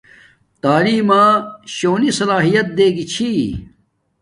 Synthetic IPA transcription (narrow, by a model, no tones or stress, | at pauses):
t̪aːliːmaːɕoːnisɐlaːɦijɐt̪̚d̪eːɡit͡ɕʰi